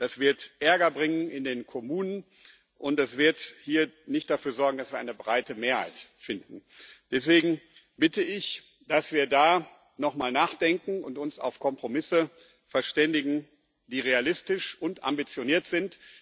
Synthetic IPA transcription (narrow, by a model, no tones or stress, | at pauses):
d̥asv̥ɪɐtʔɛɐɡɐbʁɪŋənʔɪndeːnkʰomuːnən | ʔʊntɛsv̥ɪɐthiːɐnɪçt̚d̥afyːɐzɔɐɡŋ̩dasviːɐaɪnəbʁaɪtəmeːɐha̰ɪtfɪndn̩d̥ɛsv̥eːɡŋ̩ | b̥ɪtəɪç | d̥asv̥iːɐdaː | nɔχmaːlnaːχd̥ɛŋkŋ̩ʊntʊnsa̰ʊfkʰɔmpʁ̥omɪsə | fɛɐʃtɛndɪɡŋ̩ | d̥iːʁealɪstɪʃʔʊntʔa̰mbit͡sjoniːɐtz̥ɪnt